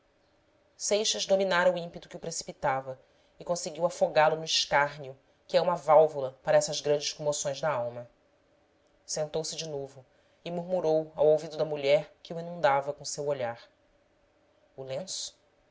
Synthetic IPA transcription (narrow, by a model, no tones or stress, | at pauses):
sejʃɐzd̪ominaɾɐuĩpet̪ʊ̥kʲɪupɾesi̥pit̪avɐ | ɪkõseɡiwafoɡalʊnʊiʃkaɦniʊ | kɪɛũmɐvawvulɐpaɾɐɛsɐzɡɾɐ̃d͡ʒɪʃkõmosõj̃zd̪ɐawmɐ | sẽnt̪owsɪd͡ʒɪnovʊ | ɪmuɾmuɾowawowvid̪ʊd̪ɐmuʎɛɾkɪuinũnd̪avɐkõsewoʎaɾ | ulẽsʊ̥